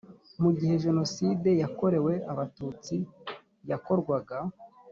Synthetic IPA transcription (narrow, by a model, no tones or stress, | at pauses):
muɡihe̞ʒe̞no̞side̞jako̞ɾe̞we̞ʔaβatut͡si | jako̞ɾɡwaɡa